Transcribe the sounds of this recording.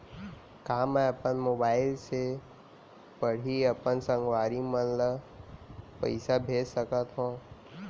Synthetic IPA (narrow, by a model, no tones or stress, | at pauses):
kɐɦãmɛ̃ɐpənmoːbaːɪlse | pəɽ̤iɐpənsə̃ŋɡʋaːɾimənlə | pɐ̰ɪsabʱeːd͡ʒsəkət̪ɦõː